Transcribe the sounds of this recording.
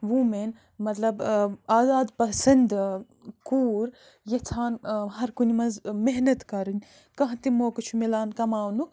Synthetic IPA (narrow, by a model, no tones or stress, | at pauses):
ʋumen | mɐt̪lɐbaːzaːd̪pɐsɐnd̪ | kuːɾ | jɐt͡sʰaːnɦɐɾkunimɐnzmeɦnɐt̪kɐɾɨnʲ | kɐ̃ɦt̪imoːkɨt͡ʃʰumelaːnkɐmaːwnuk